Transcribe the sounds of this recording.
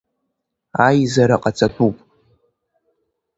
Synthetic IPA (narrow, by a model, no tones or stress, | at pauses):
ajzaɾaqʼat͡sʰʼatʷʼupʼ